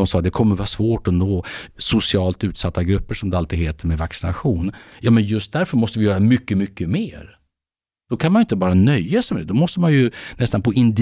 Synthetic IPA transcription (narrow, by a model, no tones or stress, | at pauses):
ɔmsɑːd̪ɛkʰɔmːəɾvɑːsvoːʈɔnoːsʊsɪɑːlt̪ʉ̟ːt̪sat̪ːaɡɾɵpːəʂɔmd̪ɛalt̪ɪɡɦeːt̪ʰəɾmɛvaksɪna̰ɧuːnjɑːmɛnjɵst̪̚d̪æɾfœɾmɔst̪əvɪjœːɾamʏkːəmʏkːəmeːɾ | d̪̥ɔkʰanmanʏɪnt̪əbɑːɾanœjːasmɛd̪ɛd̪ɔmɔst̪əmanjɵnɛst̪anpʰɔʔɪnd̪